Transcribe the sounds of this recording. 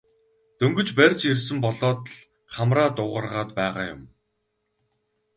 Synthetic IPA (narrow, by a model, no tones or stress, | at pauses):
t̪ɵŋɡɵ̆t͡ɕpærʲt͡ɕers̬ɘ̆mpɔɮɔːt̪ɮ | χamraːt̪ʊːʁə̆rʁaːt̪pæːʁa̰ːjʊ̰m